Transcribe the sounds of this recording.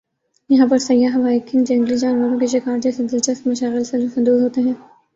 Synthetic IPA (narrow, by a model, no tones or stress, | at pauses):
jɐɦãp̬ɐɾsɐjːaɦɐʋaːɪkʰɪ̃nd͡ʒɛ̃ŋɡlid͡ʒaːnʋəɾõkeʃɪkaːɾd͡ʒɛːsed̪ɪlʃɐst̪mɐʃaːɣɪlselsɐ̃nd̪oːzɦoːt̪eɦɛ̃ː